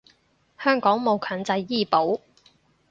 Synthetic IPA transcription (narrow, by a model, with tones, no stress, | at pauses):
hœː˥ŋkɔː˨˥ŋmo˨˧wkʰœː˨˥nt͡sɐ˧jːiː˥˩po˨˥w